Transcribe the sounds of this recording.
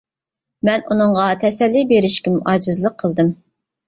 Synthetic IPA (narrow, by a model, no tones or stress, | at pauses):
mɛnunɨŋʁɑt̪ʰɛsɛlːibeɾɪʃkʲɛmuʔɑːd͡ʒɪzlˠəqʰːəlˠd̪ɨm